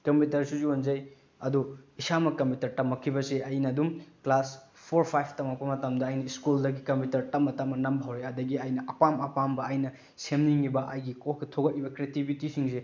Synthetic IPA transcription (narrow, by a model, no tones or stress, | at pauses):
kɐmpitɐɾsuzionzɐj | ɐduisamɐkɐmputɐɾtɐmːɐkʰːibɐseɐjnɐːdumklas | pʰoɾpʰajpʰtɐmak̚pɐmɐtɐmdɐːjnɐiskuldɐɡikɐmputɐɾtɐmːɐtamɐnɐmbɐɦɐwɾeɐdɐɡiɐjnɐʔɐpamɐpambɐɐjnɐ | semniŋibɐʔɐjɡikoketʰoɡɐt̚ːibɐkɾiatibitisiŋse